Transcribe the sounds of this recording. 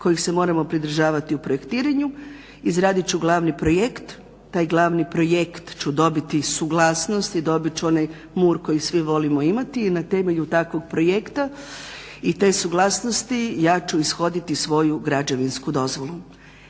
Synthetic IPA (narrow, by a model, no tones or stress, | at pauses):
ko̞jixse̞mo̞ːɾamo̞pɾid̪r̩ʒaːʋat̪iupɾoje̞kt̪iːɾaɲu | izɾaːd̪it͡ʃuɡlˠaːʋnipɾo̞jekt̪ː | aːjɡlˠaʋnipɾo̞jekt̪t͡ʃud̪o̞bit̪isuɡlˠaːsno̞st̪id̪o̞bit͡ɕuo̞naj | muːɾko̞jisʋiʋo̞limo̞imat̪iːnat̪e̞me̞ʎut̪akʋo̞ɡpɾo̞jekt̪a | it̪e̞ːsuɡlˠaːsno̞st̪ijaːt͡ʃuisxo̞d̪it̪isʋo̞juɡɾad͡ʒaʋinskud̪o̞zʋo̞lˠu